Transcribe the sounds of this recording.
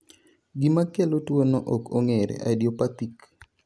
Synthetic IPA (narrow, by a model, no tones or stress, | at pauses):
ɡimakelotwonɔʔokoŋeɾḛʔa̰djopat̪ik